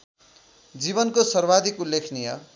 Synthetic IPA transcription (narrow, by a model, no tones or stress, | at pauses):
d͡zibʌnkosʌrbad̪ʱikulekʰnijʌ